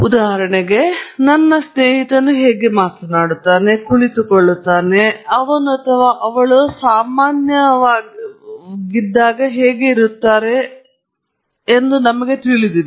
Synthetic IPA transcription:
ud̪aːɦɐɾɐɳeɡe̞nɐnːɐsneːɦit̪ɐnːuɦeːɡe̞maːt̪ɐnaːɽut̪ːaːne̞kuɭit̪ukoɭːut̪ːaːne̞ɐʋɐnuɐt̪ʰɐʋaːʔɐʋɐɭusaːmaːnjɐʋaː | ɡid̪ːaːɡɐɦeːɡe̞iɾut̪ːaːɾe̞ | nd̪unɐmɐɡe̞t̪iɭid̪iʋ

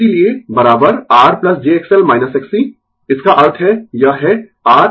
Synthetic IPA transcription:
eliebɐɾaːbəɾaːɾplɐsd͡ʒeːeːksɛlmaːɪnəsɛksi | ɪskaʔaːɾʈɦɛjaɦɛ | aːɾ

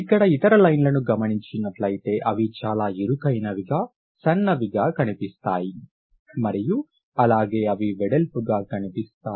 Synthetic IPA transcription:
ikːɐɽɐit̪ɐɾɐlɐjnlɐnuɡɐmɐniɲt͡ʃinɐʈlɐjit̪e̞ːʔɐʋit͡ʃaːlaːiɾukɐjnɐʋiɡaː | sɐnːɐʋiɡaːkɐnipist̪aːji | mɐɾiju | ɐlaːɡe̞ːɐʋiʋɛɽelpuɡaːkɐnipist̪aː

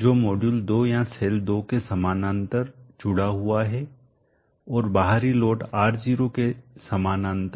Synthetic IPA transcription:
d͡ʒoːmoːɖjuːld̪oːjãseːld̪oːkesɐmaːnãːnt̪əɾd͡ʒʊɽaɦʊaɦɛ | ɔːɾbaːɦaɾilɔːʈaːɾd͡ʒiːɾokesɐmaːnãːnt̪əɾ

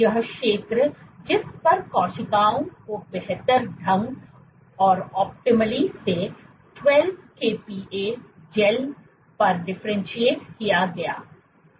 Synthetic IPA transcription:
jɐɦʃeːt̪ɾəd͡ʒɪspɐɾkɔːʃɪkaːõkobɛɦt̪əɾɖʱɐ̃ŋɡ | ɔːɾɔːp̚ʈɪməlise | ʈwɛlbkeːpiːʔeːsd͡ʒɛl | pɐɾɖɪfʰɾẽnʃieːʈkijaɡɐja̰ː

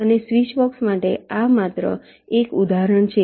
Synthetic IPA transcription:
ənesʋiʃbɔksmaʈeamat̪ɾə̰ | ekud̪aɾəɳt͡ʃʰe

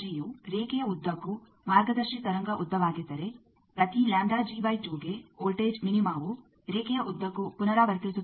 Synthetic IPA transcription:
d͡ʒijuɾeːkɛjɐud̪ʱːɐkːu | maːɾɡɐd̪ɐɾʃit̪ɐɾɐŋɡɐʔud̪ːɐʋaːɡid̪ɐɾe | pɾɐt̪ilaːɳɖaːd͡ʒiːbɐjʈuːɡeoːlʈeːd͡ʒminimaːʋu | ɾeːkɛjɐʔud̪ːʋɐkːupunɐɾaʋɐɾk̪iɾisu

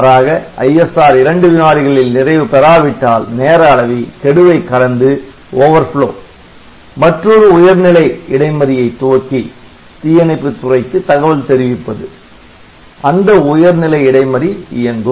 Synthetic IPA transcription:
ɾaːɣɐɐ̰jɛsaːɾɪɾɐɳɖɯʋɪnaːɾɪɣɐɭɪlnɪrɐɪʋɯpɛɾaːʋɪʈːaːlneːɾaːɭɐʋik̪ɛɽɯʋɐɪkːɐɽɐnd̪ɯ | oːʋɐɾfɭo̰ː | mɐʈrɔɾɯʊjɐɾnɪlɐɪɪɽɐɪmɐɾɪjɐɪt̪ːʊːɐkːi | t̪ɪjɐnɐɪpːɯt̪ːʊrɐɪkːɯt̪ɐɣɐʋɐlt̪ɛɾɪʋɪpːɐðɯ | ʔɐnd̪ɐʊjɐɾnɪlɐɪɪɽɐɪmɐɾiɪjɐnɡ̪o

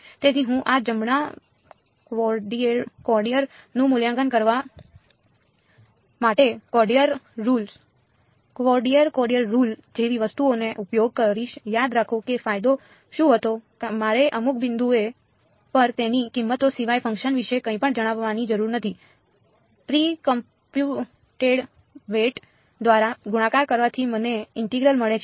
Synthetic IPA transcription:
t̪et̪ʰiɦũʔad͡ʒəmɳ̃a | kɔɖiəɾkɔɾɖijəɾnũmʊljãŋɡənkəɾʋa | maʈekɔɾɖijəɾːuls | kʋɔɾɖijəɾkɔɾɖijəɾːuld͡ʒeʋiʋəst̪uoneʔupjoɡ̚kəɾiʃjad̪ɾakʰõkefajd̪o | ʃũɦət̪okmaɾeʔəmuk̚ʰbɪnd̪ue | pəɾt̪enikimːət̪osiʋajfə̃ŋkʃənʋiʃekə̃ĩpəɳd͡ʒəɽ̃aʋːanid͡ʒəɾuɾnət̪ʰi | pɾikəm | pju | ʈeɽ | ʋeʈ | d̪ʋaɾaɡuɽ̃ãkaɾkəɾʋat̪ʰiməneɪɳʈeɡɾəlməɭet͡ʃʰ

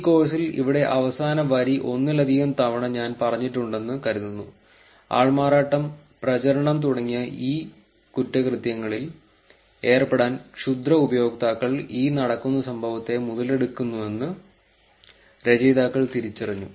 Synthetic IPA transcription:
iko̞ːs̬ilḭʋiɽe̞ʔɐʋɐsaːnɐʋɐɾiʔo̞nːɨlɐd̪ʱiɣɐmt̪ɐʋɐɳɐɲaːnpɐrɐɲːiʈːuɳɖe̞nːɨkɐɾuðunːu | a̰ːɭmaːɾaːʈːɐm | prɐt͡ɕɐɾɐɳɐmt̪uɽɐŋːijɐʔiː | kutːɐkrɨt̪jɐŋːɐɭil | e̞ːrpe̞ɽaːnkʂud̪rɐubɐjo̞ːɡ̚t̪aːkːɐɭiːnɐɽɐkːunːɐsɐmbʱɐʋɐt̪ːe̞muðɐle̞ɽukːunːue̞nːɨ | ɾe̞d͡ʑɐjd̪aːkːɐɭt̪iɾit͡ɕːɐrɐɲːṵ

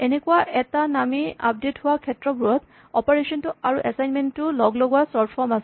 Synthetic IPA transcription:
enekuwaʔɛtanamia̰p̚detɦʊwakʰɛtɹɔbuɹɔt | ɔpɔɹesɔntʊaɹuʔɛsajnmɛntʊlɔɡlɔɡuwasɔtʰfɔɹmasɛ

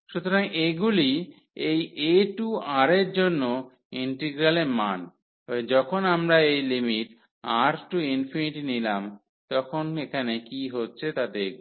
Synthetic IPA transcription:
ʃut̪oɾaŋeɡuli | ejeʈuaɾeɾd͡ʑonːo | iɳʈeɡɾaleɾman | ɔed͡ʑɔkʰonamɾaejlimiʈ | aɾʈuinfiniʈinilam | t̪ɔkʰonekʰanekiɦotːɕʰet̪ad̪e

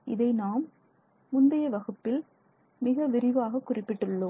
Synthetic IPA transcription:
ʔɪðɐɪnaːmː | ʊnd̪ɐjɐʋɐɣɯpːɪl | mɪɣɐʋɪɾɪʋaːɣɐkːʊrɪpːɪʈːɯɭːo

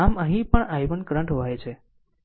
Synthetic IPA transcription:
amə̃ɦĩpəɳajʋənkɾə̃ɳʈɦoʋajt͡ʃʰe

